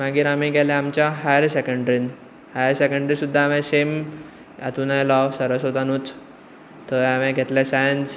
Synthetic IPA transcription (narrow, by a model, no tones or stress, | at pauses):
maɡiːɾamĩɡʱɛlɛamt͡ɕaɦajəɾsekəɳɖɾin | hajəɾsekəɳɖɾisud̪ʱːaːmɛ̃sem | a̰t̪unajlaʋsəɾəsod̪anuːt͡s | t̪əamɛ̃ɡʱet̪lasãjnd͡z